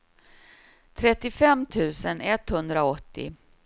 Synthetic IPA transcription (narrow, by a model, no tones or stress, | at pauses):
t̪ʰɾɛt̪ːɪfɛmːt̪ʰʉ̟ːsənɛt̪hɵnd̪ɾaɔt̪ːɪ̰